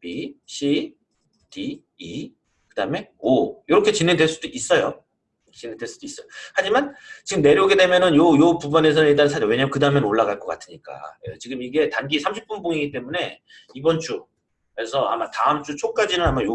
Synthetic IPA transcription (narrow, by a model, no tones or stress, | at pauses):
piɕʰi | ti | i | kɯdame̞ojoɾʌkʰe̞t͡ɕinːendeɭs͈udoʔis͈ʌjo | t͡ɕinːendeɭs͈ud̥ois͈ʌjohad͡ʑimant͡ɕiɡɯmne̞ɾjoɡedemjʌnɯnjojopubʌne̞s̬ʰʌnɯniɭt͈ansʰad͡ʑʌwe̞ɲamjekɯdaɯmjʌnɯnoɭːaɡaɭk͈ʌk͈a̰tʰɯɲik͈a̰jḛt͡ɕiɡɯmiɡe̞tanɡisʰamɕʰi̥p͈unboŋiɡit̬͈e̞mune̞ | ibʌnt͡ɕ͈u | kɾesʰʌa̰mataɯmt͡ɕ͈ut͡ɕʰok̚k͈ad͡ʑinɯnamajo